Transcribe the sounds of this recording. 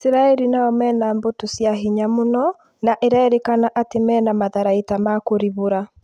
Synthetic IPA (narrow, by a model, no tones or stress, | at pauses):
siɾaɛɾinaɔmɛːnambotosjaɦiɲamonɔ | naʔeɾaɛɾekanaʔatemɛːnamaðaɾaitamakoɾiβoɾa